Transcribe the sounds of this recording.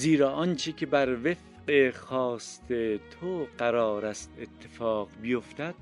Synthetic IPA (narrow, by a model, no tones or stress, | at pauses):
ziːɾɒːʔɒːnt͡ʃʰecʲʰebæɾvef | ʔexɒːst̪ʰet̪ʰoɢæɾɒːɾæst̪et̪ʰːefɒːqbijo̞ft̪æd̪̥